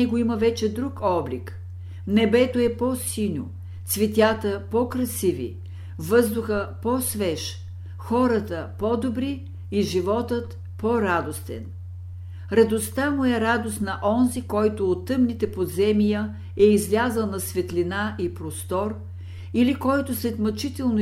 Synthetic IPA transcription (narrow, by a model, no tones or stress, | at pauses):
ɛɡoiməvɛt͡ʃɛd̪ɾukɔblik | nɛbɛt̪oɛpɔsinʲo | t̪svɛt̪ʲjat̪əpɔkɾɐsivḭ | vɤzd̪ʊxəpɔsvɛʃ | xɔɾət̪əpɔd̪obɾiː | ʒivɔt̪ət̪ | pɔɾad̪ost̪ɛ̰n | ɾɐd̪ost̪amʊɛɾad̪ost̪nɐʔɔnzikɔjt̪ʊot̪ːɤmnit̪ɛpozɛmijə | ɛizvʲazəlˠnɐsvɛt̪linaʔipɾost̪ɔɾ | ilikɔjt̪ʊsɛt̪mɐt͡ʃit̪ɛlˠno